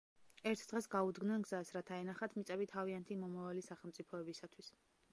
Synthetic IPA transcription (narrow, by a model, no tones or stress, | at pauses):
ɛɾt̪ʰd̪ʁɛsɡaud̪ɡnɛnɡzasɾat̪ʰaɛnaχat̪ʰmit̪sʼɛbit̪ʰaviant̪ʰimɔmavalisaχɛlˠmt̪sʼipʰɔɛbisat̪ʰwis